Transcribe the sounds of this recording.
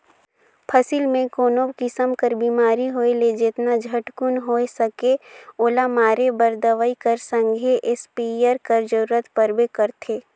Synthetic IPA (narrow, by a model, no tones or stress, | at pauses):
pʰɐsilmẽkoːnoːbkɪsəmkəɾbiːmaːɾiɦoːeled͡ʒet̪nad͡ʒʱɐʈkʊnɦoesɐkeoːlamaːɾebəɾd̪əʋəikɐɾsə̃ŋɡʱeʔɪspijəɾkɐɾd͡ʒəɾuːɾət̪pəɾbekɐɾt̪ʰeː